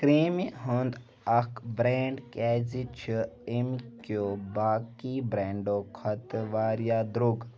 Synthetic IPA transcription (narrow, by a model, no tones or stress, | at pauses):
kɾiːmiɦund̪ | ɐkbɾeːɳɖkɛːzit͡ʃʰiimkjobaːkibɾeːɳɖokʰɐt̪ʋaːɾjaːd̪ɾuɡ